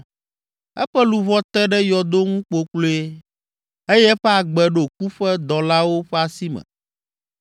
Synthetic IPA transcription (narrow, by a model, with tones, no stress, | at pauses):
ɛ̰˦ɸɛ˦lu˨βɔ˦t̪ɛ˦ɖɛ˦jɔ˨d̪o˦ŋũ˦k͡po˨k͡plo˦e˦ | e˦jɛ˦ɸɛ˦a˨ɡ͡bɛ˨ɖo˨k̚u˦ɸɛ˦d̪ɔ˨la˦wo˦ɸɛ˦a˨si˦mɛ̰̃˨